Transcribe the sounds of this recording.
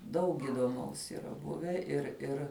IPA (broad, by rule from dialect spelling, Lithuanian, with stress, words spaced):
ˈdɐʊk iːdoːˈmɐʊs iːˈrɐ ˈbʊʋʲæː ɪr ˈɪr